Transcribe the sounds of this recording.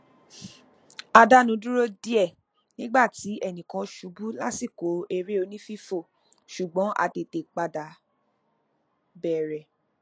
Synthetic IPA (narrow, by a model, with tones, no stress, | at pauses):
a˧da˦nũ˨˧˦du˦ɾo˦di˦ɛ˦˨ | nĩ˦ɡ͡ba˦˨ti˨˦ɛ˦˨nĩ˨kã˧ʃu˨˦bu˦la˦si˦˨ko˨˦e˧ɾe˦o˨˧nĩ˦fi˦fo˦˨ | ʃu˨ɡ͡bɔ̃˨˦ʔa̰˧te˨te˨k͡pa˧da˨˦ | bɛ˦˨ɾɛ˨